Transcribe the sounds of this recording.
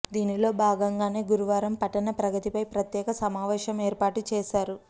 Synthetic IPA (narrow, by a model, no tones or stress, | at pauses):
d̪iːnilo̞ːbʱaːɡɐŋɡaːne̞ːɡuɾuʋaːɾɐmpɐʈɐnɐpɾɐɡɐt̪ipɐjpɾɐt̪jɛːkɐsɐmaːʋeːʃjɐmeːɾpaːʈut͡ʃɛːʃaːɾu